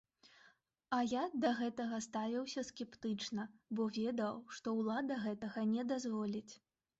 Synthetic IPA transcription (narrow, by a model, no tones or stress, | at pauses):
ɐjad̪ɐɣɛt̪ɐɣɐst̪avʲiwsʲɐskʲɛpt̪ɨt͡ʂnɐbɔvʲɛd̪ɐwʂt̪ɔwlˠad̪ɐɣɛt̪ɐɣɐnʲɛd̪azvɔlʲit͡sʲ